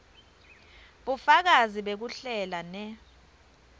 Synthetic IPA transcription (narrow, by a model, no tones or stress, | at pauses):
ɓufak̬aziɓek̬uɬɛlanɛ